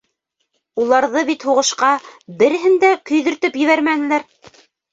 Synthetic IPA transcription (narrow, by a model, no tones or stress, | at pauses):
ulˠɑɾðɤβit̪huʁɤ̆ʃqɑbɘ̆ɾɘ̆ɦɘnd̪ækɵ̆jðɵ̆ɾt̪ɵpjɘ̆βæɾmænɘ̆læɾ